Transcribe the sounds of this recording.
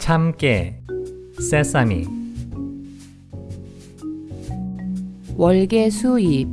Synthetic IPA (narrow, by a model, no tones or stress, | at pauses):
t͡ɕʰamke | sesamḭ | wʌɭɡesʰuip